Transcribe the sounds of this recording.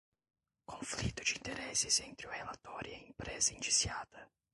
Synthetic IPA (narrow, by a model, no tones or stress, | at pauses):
kʰoɱflit̪ːʊt͡ʃint̪ɛɾɛsːisɛnt̪ɾjoɛlat̪ɔɾjeimpɾɛːzɪint͡ʃi̥sjaːt̪ə